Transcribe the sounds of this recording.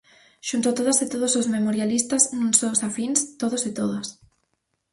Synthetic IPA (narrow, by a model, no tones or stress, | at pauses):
ʃunt̪at̪oðaset̪oð̞osozmemoɾjalist̪aznũŋsosafinst̪oðosɪt̪oðas